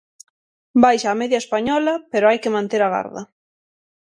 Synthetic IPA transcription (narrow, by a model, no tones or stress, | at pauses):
bajʃaːmeðjɐespaɲɔlɐpeɾoajkɪmãnt̪eɾaɣa̰ɾðɐ̰